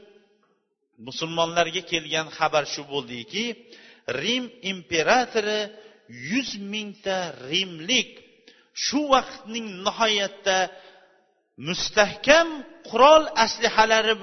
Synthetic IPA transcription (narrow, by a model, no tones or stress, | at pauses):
mʊsʊlˠmɒnlaɾɡʲakʲʰe̞lɡʲanχɑbaɾʃʊbolˠd̪ɪkʲʰɪ | ɾimimpe̞ɾat̪ʰoɾɪ | jʊzmɪŋt̪ʰaɾimlɪkʲ | ʃʊwɑqʰt̪nɪŋnɪhɒjat̪ʰːa | mʊst̪ahkʲamqʰʊɾɒlˠaslɪhalaɾɪ